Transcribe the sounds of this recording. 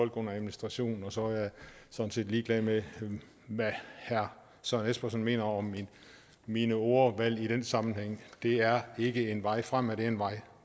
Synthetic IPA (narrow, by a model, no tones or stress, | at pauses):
ɒ̽l̰ɡ̥ɔ̽n̰ɐæðˠminisd̥ʁɑ̈ɕo̝̰ːnn̩ɒ̽sɒ̽æjɑ̈sɒ̽n̩se̝̰ːd̥liːɡ̥lɛðˠme | ʋæhæɐ | sɒnesb̥ɐsɒnme̝̰ːnɐɒ̽min | minəo̝ːɐʋæl̰iɾ̥ensɑ̈mn̩heŋ̰d̥e̝æɐe̝ɡ̥əe̝nʋɑ̈ɪ̰fʁam̰æɾ̥e̝ɐenʋɑ̈ɪ̰